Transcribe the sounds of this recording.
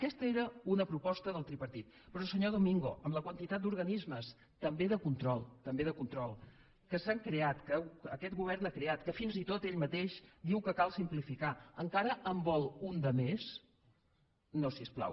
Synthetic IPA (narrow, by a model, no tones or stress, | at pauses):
əkɛst̪əeɾəunəpɾupɔst̪əðəlˠt̪ɾipəɾt̪it̪pɾɔsəɲoðumiŋɡo̰ʔəmləkwənt̪it̪at̪̚d̪uɾɣənizməs | t̪əmbeðəkunt̪ɾɔlˠt̪əmbeðəkunt̪ɾɔlˠ | kəsaŋkɾeat̪kəwəkɛt̪̚ɡuβ̞ɛɾnakɾeat̪kəfinzit̪ot̪eʎmət̪eʃd̪iwkəkalˠsimplifikaəŋkaɾəəmbɔlˠund̪əmes | nosiəspla̰w